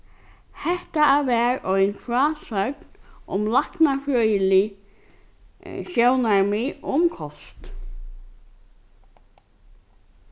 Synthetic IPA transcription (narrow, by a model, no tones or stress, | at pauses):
hɛht̪aːvɛːɾɔjnfɾaːsœknʊ̰mlaknafɾœːjɪlɪ | sjownaɹmɪʔʊmkʰɔst̪